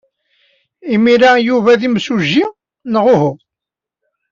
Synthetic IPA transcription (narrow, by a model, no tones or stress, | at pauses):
imiɾæjuvæðimsuʒːi | nəʁʊɦu